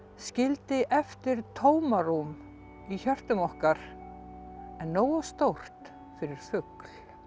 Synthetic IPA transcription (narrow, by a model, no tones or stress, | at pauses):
scɪlt̪ɪʔɛft̪ɪɾ̥t̪ʰoːwmaɾum | içœr̥t̪ʏmɔhkaɾ̥ | ɛnːoːwast̪owr̥t̪ | fɪɾɪɾ̥fʏkl̥